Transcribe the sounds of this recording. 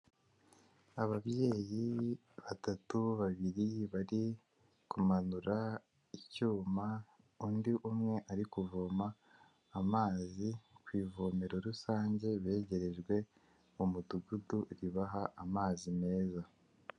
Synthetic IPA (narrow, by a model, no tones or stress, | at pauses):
aβaβje̞ːji | βatatuβaβiɾiβaɾi | kumanuɾa | icuːma | undiʔumŋe̞ʔaɾikuvoːmaː | maːzikwiːvoːme̞ɾo̞ɾusaːɲɟe̞βe̞ːɟe̞ɾe̞ʒɡwe̞ | umuduɡuduɾiβaɦaʔamaːzime̞ːza